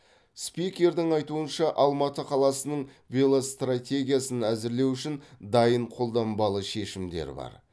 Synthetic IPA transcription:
spijkʲe̞ɾd̪ɪŋɑjt̪uənʃɑʔɑlˠmɑt̪əqʰɑlˠɑsənəɴ | vʲelˠost̪ratʲe̞ɡʲijasənæzɪɾle̞wʏʃɪnd̪ɑjəɴqʰo̞lˠd̪ɑmbɑlˠəʃe̞ʃɪmd̪e̞̰ɾbɑ̰ɾ

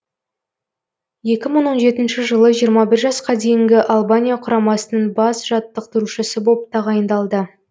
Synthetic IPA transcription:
je̞kʲɪməɴwo̞nʒe̞t̪ɪnʃɪʒəlˠəʒijəɾmɑbɪɾʒɑsqɑd̪e̞jɪŋɡʲɪʔalˠbanʲijaqʰʊɾɑmɑsənəɴbɑsʒɑt̪ːəq̚t̪ʊɾuʃɪsɪbo̞p̚t̪ɑʁɑjənd̪ɑlˠd̪ə

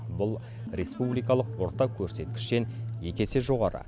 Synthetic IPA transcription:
bʊlˠ | ɾʲe̞spublijkɑlˠəqwo̞ɾt̪ɑkʲʰɵɾse̞t̪kʲɪ̥ʃt̪e̞nje̞kʲe̞seʒo̞ʁɑɾə̰

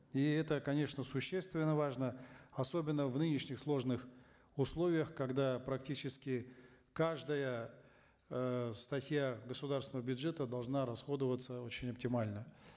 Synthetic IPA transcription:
iɛt̪əkɐnʲe̞ʂnəsʊɕːest̪vʲɪnːəvaʐnəɐso̞bʲɪnːəvnɨnʲɪʂnʲɪxslˠo̞ʐnɨx | ʊslˠo̞vʲɪjəxkɐɡd̪apɾɐk̚tʲit͡ɕɪskʲɪ | kaʐd̪əjə | st̪ɐtʲjaɡəsʊd̪aɾrsʲnəvəbʲʊdʐɛt̪əd̪ɐlˠʐnaɾɐsxo̞d̪əvət̪səo̞t͡ɕɪnʲɐp̚tʲɪmalʲnə

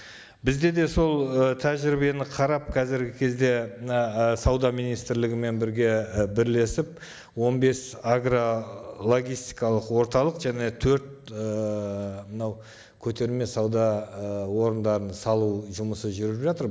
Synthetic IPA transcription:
bɪzd̪e̞d̪e̞so̞lˠət̪ʰæʒɪɾɪbe̞nɪqʰɑɾɑp̚qʰɑzɪɾɡʲɪkʲʰe̞zd̪e̞mənɑsɑwd̪ɑmijnijst̪ɪɾlɪɡʲɪme̞nbɪɾɡʲe̞bɪɾle̞sɪp̚ | wo̞nbe̞saɡrolˠo̞ɡʲijst̪ijkɑlˠəqwo̞ɾt̪ɑlˠəqʒæne̞t̪ʰɵɾt̪ə | mənɑw | kʲʰɵt̪e̞ɾme̞sɑwd̪ɑwo̞ɾənd̪ɑɾənsɑlˠuʒʊməsəʒʏɾɪpʒɑt̪əɾ

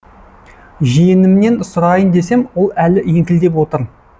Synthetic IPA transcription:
ʒijɪnɪmne̞nsʊɾɑjənd̪e̞se̞mwo̞lˠælɪeŋkʲɪld̪e̞pwo̞t̪əɾ

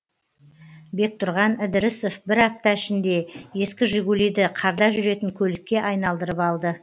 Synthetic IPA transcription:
be̞k̚t̪ʰʊɾʁɑnɪd̪ɪɾɪso̞fbɪɾɑp̚t̪ɑɪʃɪnd̪e̞je̞skʲɪʒʏɡʲulid̪ɪqʰɑɾd̪ɑʒʏɾe̞t̪ɪŋkʲʰɵlɪkʲːe̞ʔɑjnɑlˠd̪əɾəpɑlˠd̪ə

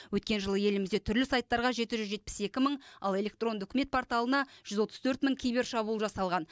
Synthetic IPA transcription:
wɵt̪kʲe̞nʒəlˠəje̞lɪmɪzd̪e̞t̪ʰʏɾlɪsajt̪ːɑɾʁɑʒe̞t̪ɪʒʏzʒe̞t̪̚pɪ̥se̞kʲɪməɴɑ̰lˠe̞lʲe̞k̚t̪ro̞nd̪ʏkʲɪme̞t̪pʰoɾt̪alˠənɑʒ̥ʏzwo̞t̪əzt̪ʰɵɾt̪məŋkʲʰijbe̞ɾʃɑbuːlˠʒɑsɑlˠʁɑn

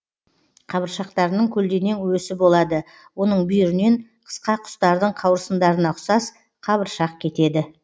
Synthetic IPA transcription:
qʰɑβəɾʃɑqt̪ɑɾənəɴkʲʰɵld̪e̞ne̞ŋwɵsɪbo̞lˠɑd̪ə | wo̞nəɴbʏjʏɾɪne̞ɴqʰə̥sqɑqʰʊ̥st̪ɑɾd̪əɴqʰɑwɾəsənd̪ɑɾənɑqsɑs | qʰɑβəɾʃɑq̚kʲʰe̞t̪e̞d̪ɪ

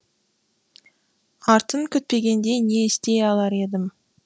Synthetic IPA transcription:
ɑɾt̪əŋkʲʰʏt̪̚pe̞ɡʲe̞nd̪e̞jne̞ɪst̪e̞jɑlˠɑɾe̞d̪ɪm

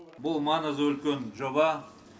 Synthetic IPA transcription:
bʊlˠmɑnəzwɵlkʲenʒobɑ

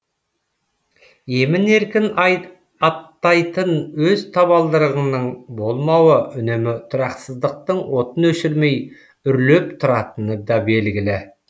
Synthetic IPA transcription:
je̞mɪne̞ɾkʲɪn | ɑt̪ːɑjt̪ənwɵzt̪ʰɑβɑlˠd̪əɾəʁənəɴbo̞lˠmɑwəʔʏnemɪt̪ʰʊɾɑqsəzd̪əq̚t̪əɴwo̞t̪ənɵʃɪɾme̞j | ʏɾle̞p̚t̪ʰʊɾɑt̪ənəd̪ɑbe̞lɡʲɪlɪ

